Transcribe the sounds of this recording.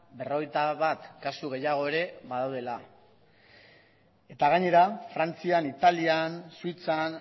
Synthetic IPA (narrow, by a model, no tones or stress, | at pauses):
be̞ro̞ɣ̞e̞jt̪aβat̪kasuɣe̞jaɣ̞o̞e̞ɾe̞βaðawðe̞la | e̞t̪aɣaɲe̞ɾafɾant͡sianit̪aliansuit͡san